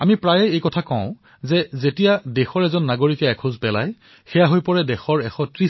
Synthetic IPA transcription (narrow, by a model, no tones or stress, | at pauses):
amipɹajɛejkɔtʰakɔ̃ʊ̃ | zɛzetijadɛxɔɹɛzɔnːaɡoɹikɛɛkʰũzpɛla̰j | xɛjaɦojpɔɹɛdɛxɔɹɛxɔtɹi